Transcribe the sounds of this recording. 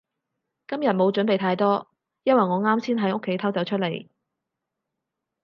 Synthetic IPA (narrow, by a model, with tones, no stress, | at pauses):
kɐ˥mjɐ˨t̚mo˨˧wt͡ʃɵ˨˥npe˨jt̪ʰaː˧jt̪ɔː˥ | jɐ˥n̚wɐ˨jŋɔː˨˧ŋaː˥msʰiː˥nɦɐ˨˥jo˥kʰːe˨˥jt̪ʰɐ˥wt͡sɐ˨˥wt͡ʃʰɵ˥t̚le˨˩j